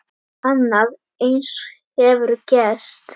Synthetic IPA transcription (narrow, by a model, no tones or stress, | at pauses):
anːað | ejns | ɛvʏɾcɛst̪